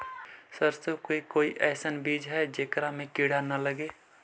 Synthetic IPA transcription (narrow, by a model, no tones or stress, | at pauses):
səɾsəkoːikoːiʔɛːsənbiːd͡ʒɦɛd͡ʒekɾamẽkiɽanələɡe